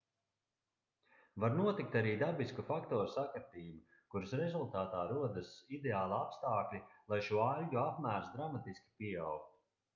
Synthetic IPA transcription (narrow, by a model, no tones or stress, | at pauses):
vaɾnuɔt̪ik̚t̪aɾiːd̪abiskufakt̪ɔːɾusakaɾt̪iːbu | kuɾɨsɾɛzulˠt̪aːt̪aːɾuɔd̪ɨsid̪eaːlˠapst̪aːklʲilˠajʃuɔalʲɟuapmæːɾsd̪ɾamat̪iskʲi̥pʲiawk̚t̪u̥